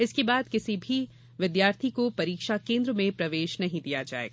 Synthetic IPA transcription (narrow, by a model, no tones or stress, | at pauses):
ɪskebaːd̪kɪsibʱi | ʋɪd̪jaːɾt̪ʰikopɐɾiːkʃakẽːnd̪ɾəmẽpɾɐʋeːʃnɐɦĩd̪ijad͡ʒa̰ːḛːɡaː